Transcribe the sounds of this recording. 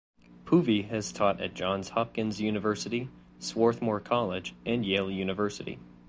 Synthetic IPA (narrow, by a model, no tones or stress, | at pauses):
pʰuviɨz̥tʰɔɾɨ̰t̚d̥ʒ̥ɑ̃nz̥hɑp̚kɨ̃nzjʉnɨvɜ˞sɨɾi | swɔɹθmɔɹkʰɑlˠɪd͡ʒʔɨ̃njeɪlˠjʉnɨvɜ˞sɨɾḭ